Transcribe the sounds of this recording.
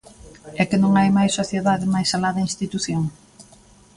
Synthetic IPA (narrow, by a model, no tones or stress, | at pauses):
ɛkɪnõŋajmajsːoθjeðaðɪmajsalaðɐinst̪it̪uθjoŋ